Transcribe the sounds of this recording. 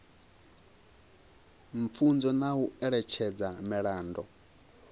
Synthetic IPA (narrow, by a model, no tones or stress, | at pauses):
ɱ̩p̪fund͡zɔnauɛɺɛt͡ʃʰɛd͡zamɛɺaːndɔ